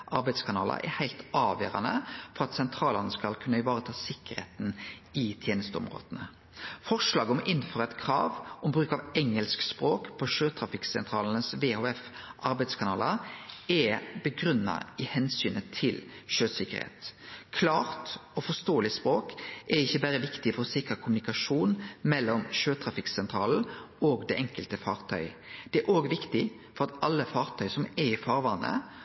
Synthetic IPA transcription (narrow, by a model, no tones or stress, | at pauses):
ʔɑɾbæɪd̪skʰɑnɑːlə̰ʔɛ̰hæɪlt̪ɑːʋjø̰ːʁɑ̰nə̰fɔʁɑt̪sɛnt̪ʰɾɑːlɑnəskɑlkʰʉnːəɪʋɑːʁət̪ʰɑːsɪkːəʁhḛːt̪nɪt̪ʰjeːnəst̪əʊ̰mʁo̰ːd̪̥ənə | fɔʁʂlɑːɡəɔmʔɪnːføːʁɛt̪kʰɾɑ̰ːʋʔɔmbʁʉːkɑʋɛŋːəlskspʁoːkpʰɔʃøːt̪ʰɾɑfɪksɛnt̪ʰʁɑːlnəsʋeːhoːɛfʔɑɾbæɪd̪skʰɑnɑːləɛbəɡʁʉnːɑ̰ɪhɛnsyːnət̪ʰɪlʃøːsɪkːə̰ʁhḛːt̪kʰlɑːʁt̪ɔfɔst̪oːəlɪspʁoːkʔɛʁɪçːəbæɾəʋɪkt̪ɪfɔʁɔsɪkʁɑkʰʊmʉnɪkɑʂuːnmɛlːɔmʃøːt̪ʰʁɑfɪksɛnt̪ʰʁɑːl̩oːɡd̪ɛʔɛŋkəlt̪əfɑːʁt̪ʰœʏd̪̥ɛæɾʔoːɡʋɪkt̪ɪ | fɔʁɑt̪ɑlːəfɑːʁt̪ʰœʏsɔmɛʁɪfɑːʁʋɑnːə̰